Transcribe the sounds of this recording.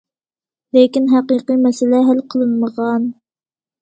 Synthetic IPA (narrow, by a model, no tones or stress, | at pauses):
lekʲinɦæqiqimɛsɪlɛɦælqʰəlˠɨnməʁɑn